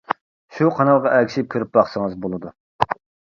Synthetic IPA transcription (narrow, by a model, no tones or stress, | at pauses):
ʃuqʰɑnɑlˠʁɑʔɛkʲiʃɪp̚kʲʰøɾyp̚bɑχsəŋəzbolˠɨd̪u